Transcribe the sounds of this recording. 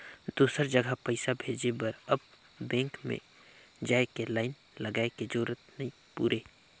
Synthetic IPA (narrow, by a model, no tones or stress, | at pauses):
d̪uːsəɾd͡ʒəɡʱəpəɪsabʱeːd͡ʒebəɾəb | bɛ̃ːŋkmḛ̃ | d͡ʒaːekelaːɪn | ləɡaːeked͡ʒoːɾət̪nəĩ | pṵːɾeː